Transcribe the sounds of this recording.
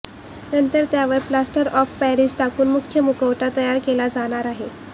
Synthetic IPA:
nənt̪əɾt̪jaʋəɾplasʈəɾɔfpæɾisʈakuːnmukkʰjəmukəʋʈat̪əjaɾkelad͡zaɽ̃aɾaɦe

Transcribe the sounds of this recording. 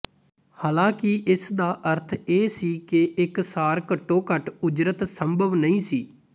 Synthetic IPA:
haːlãːkɪʔɪsd̪aːʔəɾt̪ʰeːsiːkɪɪksaːɾkəʈːõːkəʈʊd͡ʒɾət̪səmbʱəʋnəĩːsiː

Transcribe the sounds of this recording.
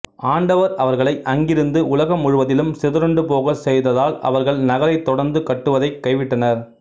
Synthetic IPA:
aːɳɖɐʋɐɾɐʋɐɾɣɐɭɐɪʔɐŋɡɪɾɯnd̪ɯʔʊlɐɣɐmːʊɻʊʋɐðɪlɯmsɪðɪɾɯɳɖɯpoːɣɐsɛjðɐðaːlɐ̰ʋɐɾɣɐɭnɐɣɐlɐɪt̪ːɔɽɐɾnd̪ɯkɐʈːɯʋɐðɐɪkːɐɪʋɪʈːɐnɐɾ

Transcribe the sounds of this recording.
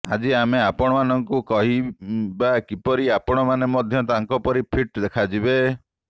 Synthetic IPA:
ad͡ʒiameapɔɽ̃ɔmanɔŋkukɔɦibakipɔɾiapɔɽ̃ɔmanemɔd̪ʱjɔt̪aŋkɔpɔɾipʰiʈd̪ekʰad͡ʒibe

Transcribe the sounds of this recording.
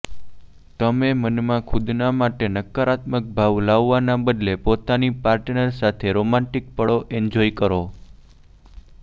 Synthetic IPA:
t̪əmemənmãkʰud̪namaʈenəkːəɾat̪mək̚bʱaʋlaʋːanabəd̪lepot̪anipaɾʈnəɾsat̪ʰeɾomãɳʈik̚pəɭoʔɛnd͡ʒoikəɾo

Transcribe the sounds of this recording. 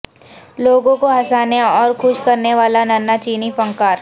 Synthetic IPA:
loːɡõkoɦɐsaːneɔːɾxʰʊʃkɐɾneʋaːlanaːnat͡ʃiːnifɐ̃ŋkaːɾ

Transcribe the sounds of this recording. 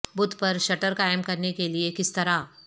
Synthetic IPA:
bʊd̪ʱpɐɾʃɐʈəɾkaːjəmkɐɾnekeliekɪst̪ɐɾa

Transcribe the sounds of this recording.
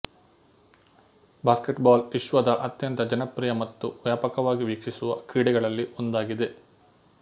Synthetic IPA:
baːskeʈbaːliʃʋɐd̪ɐʔɐt̪jɐnt̪ɐd͡ʒɐnɐpɾijɐmɐt̪ːuʋjaːpɐkɐʋaːɡiʋiːkʂisuʋɐkɾiːɽɛɡɐɭɐlːiʔond̪aːɡid̪e̞

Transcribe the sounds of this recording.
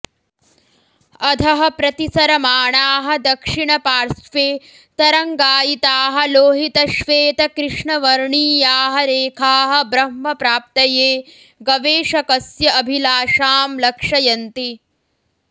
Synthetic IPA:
ɐd̪ʰʱɐɦɐ̆pɾɐt̪isɐɾɐmaːɳaːɦɐ̆d̪ɐkʂiɳɐpaːɾsʋeː | t̪ɐɾɐŋɡaːjit̪aːɦɐ̆loːɦit̪ɐʃʋeːt̪ɐkɾɪʂɳɐʋɐɾɳiːjaːɦɐɾeːkʰaːɦɐ̆bɾɐɦmɐpɾaːp̚t̪ɐjeː | ɡɐʋeːʂɐkɐsjɐɐbʱilaːʃaːmlɐkʂɐjɐnt̪i

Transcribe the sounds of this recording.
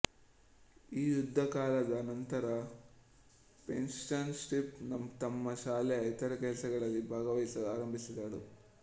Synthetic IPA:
iːjud̪ʱːɐkaːlɐd̪ɐːnɐnt̪ɐɾɐ | pensɐnsʈipnɐmt̪ɐmːɐʃaːlɛɐjt̪ɐɾɐkɛlsɐɡɐɭɐlːibʱaːɡɐʋɐjsɐaːɾɐmbʱisid̪aːɽu

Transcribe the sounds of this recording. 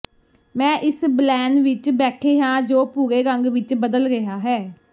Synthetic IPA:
mɛ̃ːʔɪsblɛːnʋɪt͡ʃbɛːʈʰeːɦãːd͡ʒoːpuːɡeːɾəŋɡʋɪt͡ʃbəd̪əlɾɪɦaːɦɛː

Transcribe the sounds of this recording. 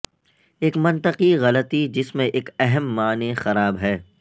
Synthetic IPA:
eːkmɐ̃nt̪əqiɣɐlət̪id͡ʒɪsmẽʔeːkɛɦɛmːaːnexɐɾaːbɦɛː

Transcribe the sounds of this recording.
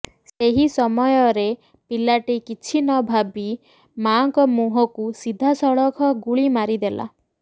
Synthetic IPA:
seɦisɔmɔjɔɾe | pilaʈikit͡ʃʰinɔbʱabi | maŋkɔmuɦɔkusid̪ʱːasɔɭɔkʰɔɡuɭimaɾid̪ela̰

